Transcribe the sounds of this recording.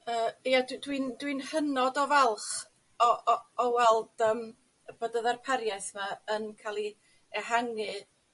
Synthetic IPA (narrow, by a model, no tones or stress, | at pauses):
əːejaddwindwinhənɔdɔvɛlˠχ | ɔɔwɛlˠd̥əːm | b̥odəðarpʰɛɾjaθmaənkʰalˠi | ɛɦaŋɨ